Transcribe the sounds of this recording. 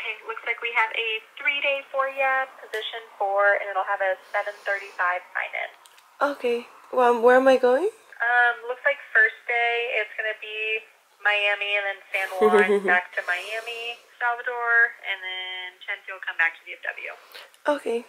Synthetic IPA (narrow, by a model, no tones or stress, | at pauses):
ʔẽklʊkslaɪkwiɨvɨθɹiɾeɪfɔɹjɛpʰɨzɪʃɨ̃nfə˞ɨ̰̃nɨɾl̩ˠəvɨsɛvɨ̃nθɜ˞ɾifaɪv̥fã̰ɪ̃næ̰̃ns | ʔoʊkʰeɪ | wɛlˠmwə˞ɨ̃maɪɡoʊɪ̃ŋ | ʔʌ̃mlʊkslaɪkfɜ˞sd̥eɪɪtsɡ̥ʌnɨbi | maɪæmiɨ̃nðɨ̃nsæ̃nwɑ̃nbæk̚tʰɨmaɪæmisælˠvədɔɹɨ̃nðɨ̃ntʰɛ̃nsiwl̩ˠkʰʌ̃mbæk̚tʰɨðiɨf̚d̥ʌ̰bl̩ˠjʉ̰ʔoʊkʰeɪ